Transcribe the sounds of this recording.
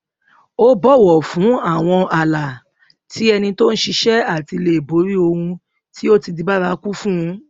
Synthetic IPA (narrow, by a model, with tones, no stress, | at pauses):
o˦bɔ˦˨wɔ˨fũ˨˦a˦˨w̃ɔ̃˧a˨la˨ | ti˨˦ɛ˧nĩ˧to˦n̩˦ʃi˧ʃɛ˦a˦˨ti˧le˧˨e˨bo˨˦ɾi˦o˧hũ˧ | ti˦o˦ti˧di˨˧ba˦ɾa˧˦ku˦fũ˦˧˦